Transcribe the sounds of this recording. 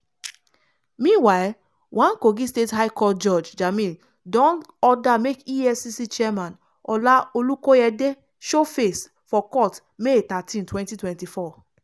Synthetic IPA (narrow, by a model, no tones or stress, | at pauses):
mĩnwaɪl | wãnkoɡistethaɪkɔtd͡ʒɔd͡ʒd͡ʒamĩn | dɔ̃nɔdamekiɛsisit͡ʃiɛmãn | ɔlaolukoɛde | ʃofes | fɔkɔt | metatĩntwɛ̃ntitwɛ̃ntifɔ